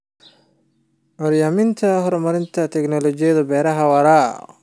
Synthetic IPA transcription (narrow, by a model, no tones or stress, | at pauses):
ʔɔɾjaːmɪnt̪ʰɐɦɔrmɐɾɪnt̪ʰɐt̪ʰɛknɔlɔt͡ʃɪjɐðɐbɛːɾɐɦɐwɐɾaː